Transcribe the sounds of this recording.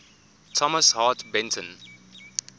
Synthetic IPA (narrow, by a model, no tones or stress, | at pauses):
tʰɔməshɑːtbɛ̃ntʰə̃n